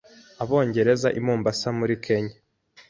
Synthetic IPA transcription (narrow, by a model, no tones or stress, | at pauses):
aβo̞ːɲɟe̞ɾe̞zaʔimuːmbasamuɾikʰe̞ɲa